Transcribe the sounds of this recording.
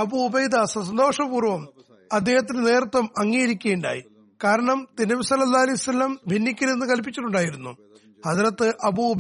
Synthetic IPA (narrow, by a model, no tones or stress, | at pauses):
ɐbuːbɐjd̪ɐsɐsɐnd̪o̞ːʂɐbuːrʋɐm | ɐd̪ːe̞ːhɐt̪̬ːinene̞ːrt̪ːʋɐmɐŋːijɐɾikʲːeːɳɖa̰ːjḭ | kaːɾɐɳɐmt̪inːɐbisɐlːɐlːaːɐlɐjusɐlːɐmbʱinːikʲːɐɾenːɨkɐlp̬ːit͡ɕːiʈːuɳɖaːjiɾunːu | hɐðɾɐt̪ːɨʔɐbub